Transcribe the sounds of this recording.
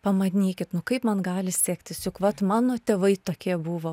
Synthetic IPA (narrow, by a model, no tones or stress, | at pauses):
pɐmɐd̪ʲɪnʲiːkʲɪt̪nʊkɐɪpmɐnɡɑːlʲɪsʲeːkt̪ʲɪsjʊkʋɐt̪mɑːnoːt̪ʲɛʋɐɪt̪oːkʲiɛbuːʋoː